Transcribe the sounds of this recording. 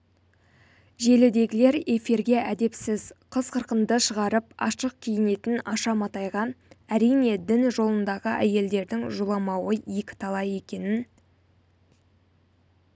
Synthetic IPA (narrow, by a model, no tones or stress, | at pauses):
ʒe̞lɪd̪e̞ɡʲɪle̞ɾe̞fiɾɡʲe̞ʔæd̪e̞psɪzqʰəzqʰəɾqənd̪əʃəʁɑɾəp̚ɑ̰ʃəq̚kʲʰijɪne̞t̪ɪnɑʃɑmɑt̪ɑjʁɑæɾijne̞d̪ɪnʒo̞lˠənd̪ɑʁəʔæje̞ld̪e̞ɾd̪ɪŋʒulˠɑmɑwəekʲɪ̥t̪ʰɑlˠɑje̞kʲe̞nɪn